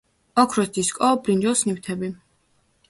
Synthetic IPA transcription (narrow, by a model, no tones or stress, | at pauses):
ɔkʰɾɛst̪ʰiskʼɔbɾind͡ʒɔsniwt̪ʰɛbi